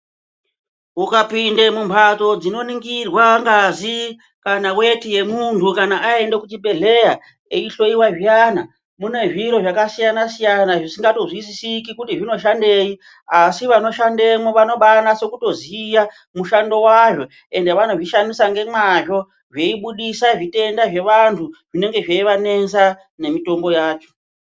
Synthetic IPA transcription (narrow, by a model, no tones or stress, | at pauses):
ukapindemumpʰato̞d͡zino̞niŋɡirwaŋɡazi | kanawe̞tije̞muntukanaʔae̞ndekut͡ʃibe̞ɮe̞ja | eiɬo̞iwaʐjana | mune̞ʐiɾo̞ʐakasijanasijanaʐisiŋɡato̞zwisisikikutiʐino̞ʃande̞i | asiʋano̞ʃande̞moʋano̞ɓanase̞kuto̞zija | muʃando̞waʐo̞ | e̞nde̞ʋano̞ʐiʃandisaŋɡe̞mwaʐo̞ | ʐe̞iɓuɗisaʐite̞ndaʐe̞ʋantʰuʐine̞ŋɡe̞ʐeiʋane̞nsa | ne̞mito̞mbo̞jaːt͡ʃo̞̥